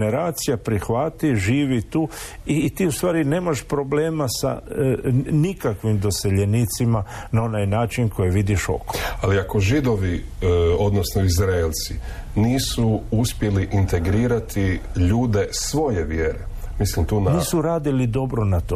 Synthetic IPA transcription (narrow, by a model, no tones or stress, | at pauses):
neɾaːt̪sijapɾixʋat̪iʒiːʋit̪uː | it̪iːust̪ʋaːɾine̞ːmaʃpɾo̞ble̞ːmasa̰ | nikakʋimd̪o̞se̞ʎeniːt̪simanao̞najnaːt͡ʃinkʰo̞jeʋid̪iʃo̞̰koaliako̞ʒid̪o̞ʋio̞d̪nosnoizɾaelˠt̪si | niːsuuspje̞liʔint̪e̞ɡɾiːɾat̪ʰiʎuːd̪e̞sʋo̞jeʋjeːɾe | mislimt̪uːnniːsuɾaːd̪ilid̪o̞bɾonat̪oː